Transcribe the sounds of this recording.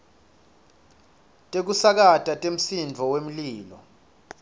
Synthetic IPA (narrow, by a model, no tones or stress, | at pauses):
tʼek̬usak̬atʼatʼem̩sind͡vʱɔwem̩liːlɔ